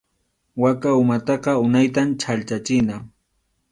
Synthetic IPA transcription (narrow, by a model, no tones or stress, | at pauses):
wakaʊmat̪ɑqɑʊnajt̪amt͡ʃʰalt͡ʃat͡ʃɪna